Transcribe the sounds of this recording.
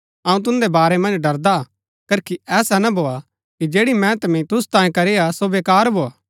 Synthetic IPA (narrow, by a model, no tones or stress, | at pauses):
ɐũt̪ʊ̃nd̪ebaːɾemɐ̃nd͡ʒɖɐɾd̪a | kɐɾkiɛːsanɐbʱoːa | kid͡ʒeːɽimɛ̃t̪ɐmĩt̪ʊst̪ãːẽkɐɾejasoʋeːkaːɾbʱoːaː